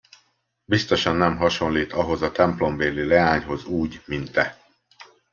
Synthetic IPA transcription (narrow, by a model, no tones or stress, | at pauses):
bist̪o̞ʃɒnːɛmɦɒʃo̞nliːt̪ɒɦo̞zɒt̪ɛmplo̞mveːlilɛaːɲɦo̞zuːɟmint̪ːɛ